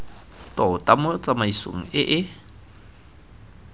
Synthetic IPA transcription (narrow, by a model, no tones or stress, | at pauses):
tʼɔʊtʼamʊt͡sʼamaiso̰ŋ̩ɪʔɪ